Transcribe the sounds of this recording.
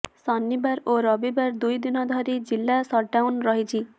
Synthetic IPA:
sɔnːibaɾoɾɔbibaɾd̪ujd̪inɔd̪ʱɔɾid͡ʑilːasɔɾɖawnɾɔɦid͡ʑʰi

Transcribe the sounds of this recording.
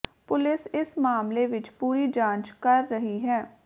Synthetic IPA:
pʊlɪsɪsmaːmleʋɪt͡ʃpuːɾid͡ʒãːnt͡ʃkɐɾːɐɦiɦɛː

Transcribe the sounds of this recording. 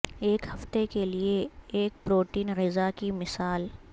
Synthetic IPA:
eːkhɐft̪ekelieːk̚pɾoːʈiːnɣɪzakimɪsaːl

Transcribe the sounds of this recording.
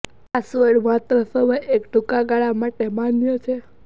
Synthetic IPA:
asʋəɽʋãt̪ɾəsəʋəjekɖʱukaɡaɭamaʈemanjət͡ʃʰe

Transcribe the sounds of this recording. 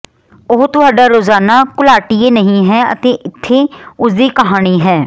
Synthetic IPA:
ʊɦt̪ʊɦaːɖaːɾoːzaːnaːkʊlaːʈieːnəɦĩːɦɛːə̰t̪eːʔɪt̪ʰːeːʊsd̪iːkəɦaːɽ̃iːɦɛː

